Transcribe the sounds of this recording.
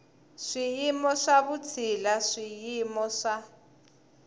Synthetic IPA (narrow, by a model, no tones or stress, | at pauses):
ʂijimɔʂaβut͡sʰilaʂijimɔʂa